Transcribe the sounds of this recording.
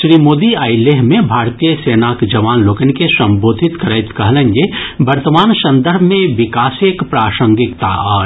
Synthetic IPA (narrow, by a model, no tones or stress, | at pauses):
ʃɾiːmoːd̪iaːɪleɦmẽbʱaːɾt̪ijəseːnaːkd͡ʒɐʋaːnloːkənkesɐ̃mboːd̪ʱɪt̪kɾəɪt̪kɐɦlẽnd͡ʒebɐɾt̪əmaːnsɐ̃nd̪əɾbʱmẽʋɪkaːsekpɾaːsə̃ŋɡɪkt̪a̰ɔːɾ